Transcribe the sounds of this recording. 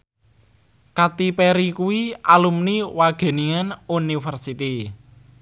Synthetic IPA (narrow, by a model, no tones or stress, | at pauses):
kat̪ipɛɾikuwiʔalumniwaɡ̥e̤niŋanunifərsit̪i